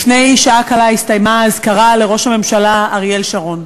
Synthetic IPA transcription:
ne̞jʃaakalaistajmaːzkaʁale̞ʁo̞ʃhame̞mʃalaːʁje̞lʃaʁo̞n

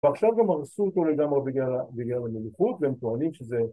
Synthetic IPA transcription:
veaχʃavɡamaʁsuot̪o̞leɡamʁebiɡlalabiɡlalamiluχut̪veemt̪oanimʃeze

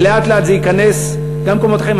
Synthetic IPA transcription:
leʔat̪leat̪zeikane̞s | ɡamkomo̞t̪χaima

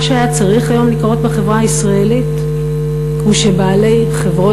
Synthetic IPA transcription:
ʃeajat͡saʁiχajo̞mlikʁo̞tbeχe̞vʁahaisʁaelit | huʃe̞baːle̞jχe̞vʁo

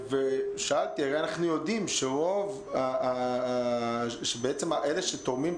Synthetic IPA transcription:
veʃaalt̪iaʁeanaχnujod̪imʃeʁo̞v | a | ʃebeet͡semaʔeleʃet̪oʁmim

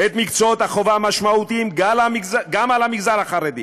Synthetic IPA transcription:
et̪mikt͡soot̪haχo̞vaamaʃmaut̪iimɡalamiɡzaɡamalamiɡzalaχaʁed̪ḭ

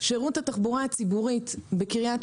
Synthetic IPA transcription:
ʃeʁuthataχbuʁaat͡sibuʁitbe̞kiʁijat

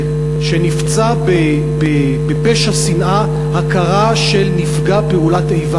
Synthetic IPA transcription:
ʃenift͡sabe | be | bepeʃasinʔa | hakaʁaʃe̞lnifɡapeulatejva

